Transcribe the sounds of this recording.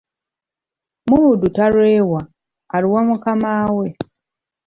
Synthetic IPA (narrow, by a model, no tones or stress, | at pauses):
muudutaɾwewa | aɾiwamukamaːwe